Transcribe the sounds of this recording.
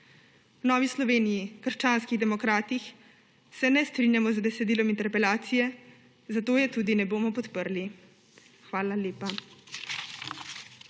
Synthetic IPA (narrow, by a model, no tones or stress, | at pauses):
wnɔːʋislɔʋeːnijikəɾʃt͡ʃaːnskiɣd̪ɛmɔkɾaːt̪ix | sɛnɛst̪ɾinjamɔzd̪ɛsɛd̪iːlɔmint̪ɛɾpɛlaːt̪sijɛ | zat̪oːjɛt̪uːd̪inɛboːmɔpɔt̪pəɾli | xʋaːlaleːpa